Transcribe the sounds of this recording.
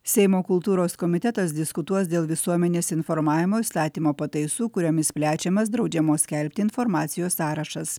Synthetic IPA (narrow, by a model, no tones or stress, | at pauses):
sʲɛɪmoːkʊlˠt̪uːɾoːskɔmʲɪt̪ʲɛt̪ɐs̬d̪ʲɪskʊt̪uɔsd̪ʲeːlˠʋʲɪsuɔmʲɛnʲeːsɪnfɔɾmɑːʋʲɪmoːist̪ɑːt̪ʲiːmoːpɐt̪ɐɪsuːkʊɾʲɛmʲɪsʲpʲlʲæːt͡ʃʲɛmɐsd̪ɾɒʊd͡ʒʲɛmoːsʲkʲɛlʲpʲt̪ʲɪɪnfɔɾmɑːt̪sʲɪjoːsːɑːɾɐʃɐs